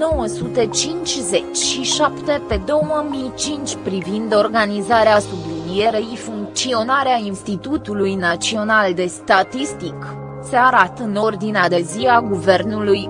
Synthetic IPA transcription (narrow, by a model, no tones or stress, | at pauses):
no̞wəsut̪et͡ʃint͡ʃʲzet͡ʃʲʃiʃapt̪e̞pe̞d̪o̞wəmijt͡ʃint͡ʃʲpɾivind̪o̞rɡanizaɾeasublid̪ieɾeifuŋk̚t̪sio̞naɾeainst̪it̪ut̪ulujnat͡ʃio̞nald̪e̞st̪at̪ist̪ik | seaɾat̪ɨno̞rd̪inead̪eziaɡuve̞rnuluj